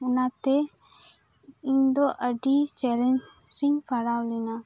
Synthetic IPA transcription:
unat̪ɛ | iɲd̪ɔʔəɖit͡ʃɛlɛɲ | ɾiŋpaɽawlɛna

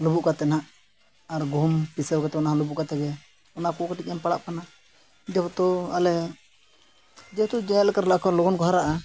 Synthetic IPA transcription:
lubuʔkat̪ɛnaʔ | aɾɡʱumpisɛwkat̪ɛbɔnaɦalubuʔkat̪ɛɡɛ | ɔnakɔkɔʈic̚ɛmpaɽaʔkana | d͡ʒ̪ɛbɔt̪ɔalɛ | d͡ʒɛt̪ud͡ʒɛɛt̪̚lɛkaɾlaʔkɔlɔɡɔnkɔɦaɾaʔa

